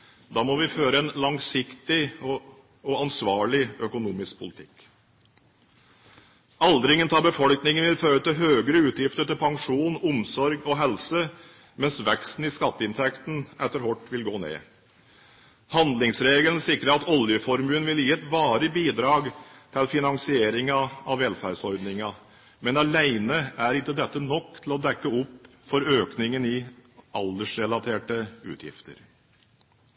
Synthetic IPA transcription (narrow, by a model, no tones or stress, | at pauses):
d̪ɑːmɔʋɪføːɾəɛnlɑŋsɪkt̪ɪɔ | ɔɑnsʋɑːɭɪœkʊnuːmɪsk̚pʰʊlɪt̪ʰɪkː | ɑld̪ɾɪŋənt̪ʰɑːbəfɔlknɪŋənʋɪlføːɾət̪ɪɦøːɡəɾəʉːt̪jɪft̪əʈɪlpʰɑŋʂuːnʊmsɔɾɡɔɦɛlsə | mɛnsʋɛkst̪n̩ɪskɑt̪ːəɪnt̪ʰɛkt̪n̩ɛt̪ːəɾɦɔʈːʋɪlɡoːnḛː | hɑnd̪lɪŋsɾeːɡələnsɪkɾəɾɑt̪ɔljəfɔɾmʉːnʋɪljiːɛt̪ʋɑːɾəbiːd̪ɾɑːɡt̪ʰɪlfɪnɑŋsɪeːɾɪŋɑɑʋʋɛlfæɖsɔɾd̪nɪŋɑ | mɛnɑlæɪnəæɾɪnt̪ːəd̪ɛt̪ːənɔkːt̪ʰɪlɔd̪ɛkːəʊpː | fɔɾøːknɪŋənɪʔɑld̪əʂɾɛlɑt̪ʰeːʈəʉ̰ːt̪ʰjɪ̰ft̪ə̰ɾ